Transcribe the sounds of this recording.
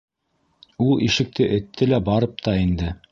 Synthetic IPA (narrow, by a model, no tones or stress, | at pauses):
ulˠʔiʃɘ̆k̚t̪ɘʔɘ̆t̪ʰːɘlæbɑɾɤp̚t̪ɑind̪ɘ